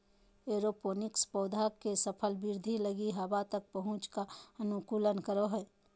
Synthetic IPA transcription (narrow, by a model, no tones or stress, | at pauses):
eːɾopoːnɪkspoːd̪ʱakesəpʰəlbɪɾd̪ʱiləɡiɦɐwat̪ək̚pəɦʊ̃t͡ʃkaɐnʊkuːlənkəɾoɦɛː